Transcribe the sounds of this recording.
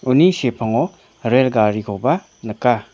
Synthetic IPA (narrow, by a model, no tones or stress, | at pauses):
unisepʰɐŋɔ | ɾelɡaɾikʰowba | nɐka